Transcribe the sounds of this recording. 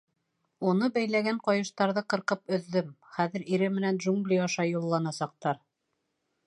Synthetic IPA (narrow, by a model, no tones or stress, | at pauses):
unɤbæjlæɡæɴqɒjɤ̆ʃt̪ɑɾðɤqɤ̆ɾqɤpɵ̆ðːɵmχæðɘ̆ɾiɾɘmɘ̆nænʒuŋɡlʲijɑʃɑjulˠːɑnɑsɑq̚t̪ɑɾ